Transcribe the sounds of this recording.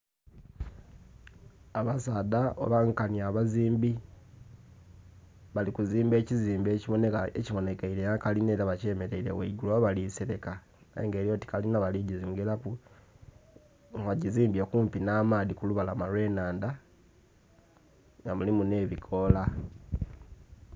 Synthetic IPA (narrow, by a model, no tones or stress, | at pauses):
aβasaːdao̰βaŋkaniaβaziːmbi | βalikuziːmbe̞ːciziːmbeːciβo̞nekaeciβo̞ne̞keiɾeakalineɾaβace̞ːmeɾe̞iɾe̞̰weɡuloβaliseɾe̞ka | aḛŋɡe̞ːɾjo̞ti̥kalinaβaliɟiziŋɡelaku | aɟiziːmbjekuːmpinaːmaːðikuluβalamalwe̞ːnaːnda | ŋɡamulimune̞ːβikʰo̞la